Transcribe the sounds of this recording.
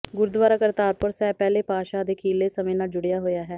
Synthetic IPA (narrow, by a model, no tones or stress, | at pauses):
ɡʊɾd̪ʋaːɾaːkəɾt̪aːɾpʊɾsɛːpɛːleːpaːʃaːd̪eːkʰiːleːsəmẽːnaːld͡ʒʊɽejaːɦoːjaːɦɛː